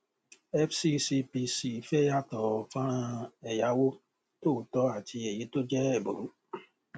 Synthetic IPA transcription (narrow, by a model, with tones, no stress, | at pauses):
ɛ˦fsi˦si˧pi˧si˨fɛ˦ja˦tɔ˨ɔ˨fã˦˧ɛ˨ja˨˦wo˦ | to˦˨tɔ˧˦a˨ti˧e˨ji˨˦to˦d͡ʒɛ˦ɛ˨bo̰˨ɾu˨˦